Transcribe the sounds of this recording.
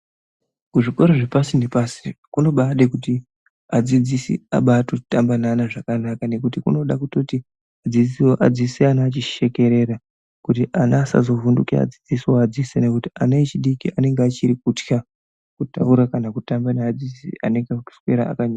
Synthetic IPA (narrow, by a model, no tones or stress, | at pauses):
kuʐiko̞ɾoʐepasindepasikuno̞ɓaɗekuti | ad͡zid͡zisḭa̰ɓaːtotambananaʐakanakane̞kutikuno̞ɗakuto̞ti | ad͡ziʔad͡ziseanaːt͡ʃiʃe̞ke̞ɾe̞ɾa | kutiʔanaːsa̰zo̞vundukia̰d͡zid͡zisiwoad͡zisene̞kutianait͡ʃiɗikiʔane̞ŋɡat͡ʃiɾikutja | kutauɾakanakutambanead͡zid͡zisia̰ne̞ŋɡau̥swe̞ɾaa̰kaɲaa